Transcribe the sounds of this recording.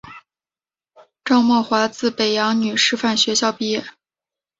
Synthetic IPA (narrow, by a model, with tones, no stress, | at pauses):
ʈ͡ʂɑ˥˧ʊmwɔ˥˩xwa˧˥t͡sɹ̩˥˩pe˨˩ɪjɑ˧˥ŋny˨˩ʂɻ̩˥˧fa˥˩nɕɥɛ˧˥ɕjɑ˥˧ʊpi˥˧jɛ˥˩